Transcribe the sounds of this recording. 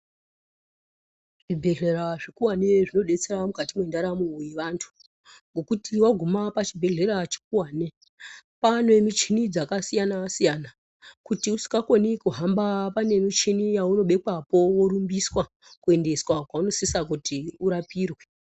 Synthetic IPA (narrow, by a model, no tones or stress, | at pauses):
ʐibʱe̞ɮe̞ɾaʐikuwaneʐino̞ɗe̞t͡se̞ɾamukatimwe̞ndaɾamujeʋantʰu̥ | ŋɡo̞kutiwaɡʱumapat͡ʃibʱe̞ɮe̞ɾat͡ʃi̥kuwaːne | panwe̞mit͡ʃinid͡zakasijanasijana | kutiusi̥kɡakonikuɦambapane̞mit͡ʃinijauno̞ɓe̞kapo̞wo̞ɾumbiswa | kue̞nde̞swakwauno̞sisak̬utiuɾapiːrwe